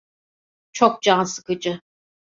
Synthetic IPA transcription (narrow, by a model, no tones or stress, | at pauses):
t͡ʃʰok̚d͡ʒansɯ̥kɯd͡ʒɯ